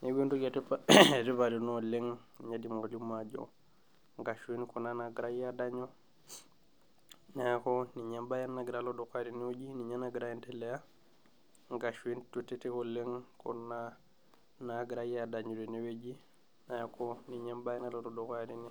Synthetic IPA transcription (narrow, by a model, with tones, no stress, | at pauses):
ne˦ɡe˦ntu˦ɡe˨ti˦pa˨ti˦pa˨ɾi˨no˦le˦ŋnɲa˦di˨mo˨ɡa˨lu˦ma˨d͡ʒo̰˨ | ŋɡa˨ʃu˦i˦nku˨na˦na˨ɡɾa˦jadaɲo˦ | na˨ja˨ko˦ni˨ɲe˦mba˦ja˦nːa˨ɡi˨ɾalo˦doka˦ɾi˨ni˦we˦d͡ʒi˦ni˨ɲa˦na˨ɡiɾa˦je˦nte˦le˦ja˦ | ŋɡa˨ʃi˦ntu˨te˦ti˦kole˦ŋko̰˨na | naɡɾajada˨ɲu˨ɾi˨ni˦we˦d͡ʒi˦ | na˨ja˨koni˨ɲe˦mba˦ja˦na˦lododo˨kaɾini˦